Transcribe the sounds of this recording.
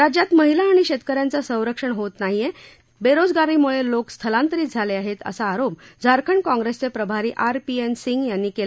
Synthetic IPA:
ɾad͡ʑjat̪məɦilaːɽ̃iɕet̪kəɾjãnt͡sasə̃w̃ɾəkʂəɳɦot̪naɦije | beɾod͡zɡaɾiːmuɭelokst̪ʰəlãnt̪əɾiːt̪d͡zʱaleaɦet̪ə̰saːɾop̚d͡zʱaɾkʰəɳkɔ̃ŋɡɾest͡sepɾəbʱaɾiːʔaɾpiensiŋɡjanːiːkel

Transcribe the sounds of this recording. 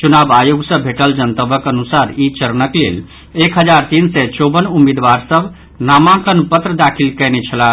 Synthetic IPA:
t͡ʃunabajuɡsə̃bʱeʈəld͡ʒənt̪əbəkənusaɾit͡ʃəɾnəklḛl | ekɦəd͡ʒaɾt̪insɛt͡ʃobənumid̪baɾsəbʱ | namãkənpət̪ɾəd̪akʰilkənɛt͡ʃʰəla

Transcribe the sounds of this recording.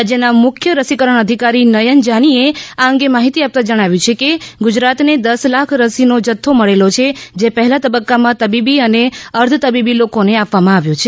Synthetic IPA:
ad͡ʒjənamʊkʰjəɾəsikəɾəɳ̃əd̪ʱikaɾinəjənd͡ʒañieaəŋɡemaɦit̪iap̚t̪ad͡ʒəɽ̃aʋjũt͡ʃʰekeɡud͡ʒɾat̪ned̪əslakʰɾəsinod͡ʒət̪ʰːoməɭelot͡ʃʰed͡ʒepəɦlat̪əbəkːamãt̪əbibiəneəɾd̪ʱət̪əbibilokoneapʋamãaʋjot͡ʃʰe

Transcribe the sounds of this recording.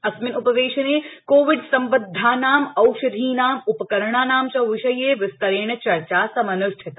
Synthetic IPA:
ɐsmɪnupɐʋeːʃɐneːkoːʋɪɖsɐmbɐd̪ʱːaːnaːmɐwʃɐd̪ʱiːnaːmupɐkɐɾɳaːnaːmt͡ʃɐʋɪʃɐjeːʋɪst̪ɐɾeːɳɐt͡ʃɐɾt͡ʃaːsɐmɐnʊʃʈʰɐt̪

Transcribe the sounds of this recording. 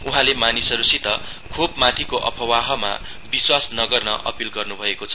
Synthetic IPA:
uɦãlemanisʌɾusit̪ʌ | kʰobmat̪ʰikoʔʌ̰pʰʌwaɦʌma̰ | biswasnʌɡʌrnʌ̰ʔʌ̰pilɡʌrnubʱʌekot͡sʰʌ

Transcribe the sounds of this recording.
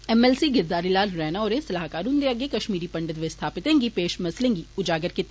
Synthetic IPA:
ɛmɛːlsiɡɪɾd̪aːɾilaːlɾɛːnaɔːɾẽsɐlaːɦkaːɾɦʊ̃nd̪eɐɡekɐʃmiːɾipɐ̃ɳɖɪt̪ʋest̪ʰaːpɪt̪ẽːŋɡipeːʃmɐslẽːŋɡiʊd͡ʒaːɡəɾkit̪ː

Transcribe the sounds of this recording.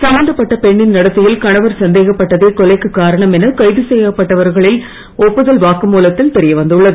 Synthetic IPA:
sɐmɐːnd̪ɐpːɐʈːɐpɛɳːɪnnɐɽɐt̪ːɯjɪlkɐɳɐʋɐɾsɐnd̪eːɣɐpːɐʈːɐðeːkɔlɐɪkːɯkːaːɾɐɳɐmɛnɐkɐɪðɯsɛjɐpːɐʈːɐʋɐɾɣɐɭɪl | ɔpːɯðɐlʋaːkɯmuːlɐt̪ːɪlt̪ɛɾɪjɐʋɐnd̪ɯɭːɐðɯ

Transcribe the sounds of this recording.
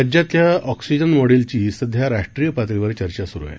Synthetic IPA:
d͡ʑat̪jaɔksid͡ʑənmɔɽilt͡ɕiːsəd̪ʱjaɾaʂʈɾijəpat̪ɾiʋəɾt͡ɕəɾt͡ɕasuɾṵja̰

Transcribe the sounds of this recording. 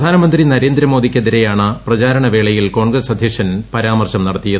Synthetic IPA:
d̪ʱaːnɐmɐnd̪rinɐɾeːnd̪ɾɐmo̞ːd̪ikʲːeðiɾejaːɳɨprɐt͡ɕaːɾɐɳɐʋe̞ːɭɐjilko̞ːɳɡrɐsɐd̪ʱjɐkʂɐnpɐɾaːmɐrɕɐmnɐɽɐt̪ːijɐð

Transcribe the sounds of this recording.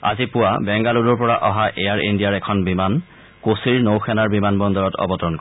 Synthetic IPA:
a̰zipʊwabɛŋɡaludɔɹpɔɹaʔɔɦaʔejaɹindijaɹɛkʰɔnbiman | kosiɹnowxʰɛnaɹbimanbɔndɔɹɔtɔ̰bɔtɔɹɔnk

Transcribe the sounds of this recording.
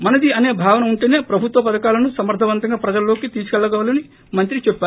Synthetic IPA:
mɐnɐd̪iɐneːbʱaːʋɐnɐuɳʈeːneːpɾɐbʱut̪ʋɐpɐd̪ɐkaːlɐnusɐmɐɾd̪ʱɐʋɐnt̪ɐŋɡaːpɾɐd͡ʒɐllːoːkit̪iːsukɛɭːɐɡɐʋɐlɐni | mɐnt̪ɾit͡ʃepːaː

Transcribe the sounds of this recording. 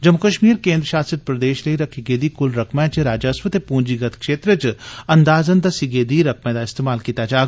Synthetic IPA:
d͡ʒɐmʊkəʃmiːɾkẽːnd̪ɾəʃaːsɪt̪̚pɾɐd̪eːʃleiɾɐkʰiɡeːd̪ikʊlɾɐkʰmɛ̃t͡ʃɾaːd͡ʒəsʋət̪epũːnd͡ʒiɡɐt̪ʰkʃeːt̪ɾət͡ʃɐnd̪aːzənd̪asiɡeːd̪iɾɐkʰmẽd̪aɪst̪eːmaːlkiːt̪ad͡ʒaː

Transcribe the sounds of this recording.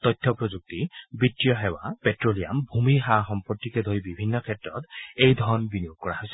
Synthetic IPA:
t̪ɔjtʰːɔpɹɔzuk̚tibitːijɔɦɛwapetɹolia̰mbʱumiɦaxɔmpɔtːikɛd̪ʱoɹibibʱinːɔkʰɛtɹɔ̰t̪ejd̪ʱɔɹɔnbinijoɡ̚kɔɹaɦojsɛ̥

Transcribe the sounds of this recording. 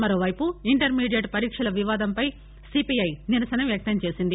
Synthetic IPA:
mɐɾoːʋɐjpuiɳʈɐɾmiːɖijɐʈpɐɾiːkʂɐlɐʋiʋaːd̪ɐmpɐj | sipijɐjniɾɐsɐnɐʋjɐk̚t̪ɐɲt͡ʃe̞ːsind̪i

